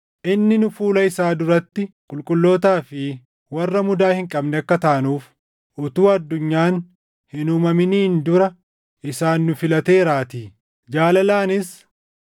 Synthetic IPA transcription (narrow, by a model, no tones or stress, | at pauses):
ʔɪnːɪnʊfuːlɐɪsaːd̪ʊɾɐt̪ːɪkʼʊlkʼʊlːo̞ːt̪aːfɪ | wɐrːɐmʊd̪aːhɪŋkʼɐbnɛɐkːɐt̪aːɐnuːf | ʔʊt̪uːɐd̪ːʊɲːaːn | hɪnʊmɐmɪniːnd̪ʊɾɐ | ʔɪsaːnːʊfɪlɐt̪e̞ːɾaːt̪iː | d͡ʒaːlɐlaːnɪs